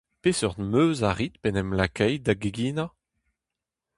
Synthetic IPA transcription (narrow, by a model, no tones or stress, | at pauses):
peːsœʁd̪møːzaʁit̪pɛnɛmlakʰɛjd̪aɡeɡiːna